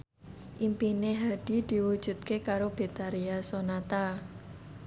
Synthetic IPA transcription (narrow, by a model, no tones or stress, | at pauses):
ʔimpineɦad̪̥i̤d̪̥i̤wud̥ʒ̥ṳt̪̚kekaɾob̥e̤t̪aɾiasonat̪a